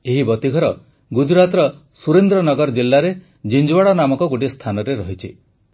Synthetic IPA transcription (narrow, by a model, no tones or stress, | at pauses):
eɦibɔt̪iɡʱɔɾɔ | ɡud͡ʒuɾat̪ɾɔ | suɾend̪ɾɔnɔɡɔɾd͡ʒilːaɾe | d͡ʒind͡ʒuwaɽɔnamɔkɔɡoʈ̬ist̪ʰanɔɾeɾɔɦit͡ʃʰi